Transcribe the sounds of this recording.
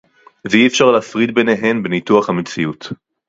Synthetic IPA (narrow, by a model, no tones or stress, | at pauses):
veiefʃaʁleːfʁid̪beneɦe̞nbenituaχhamet͡siut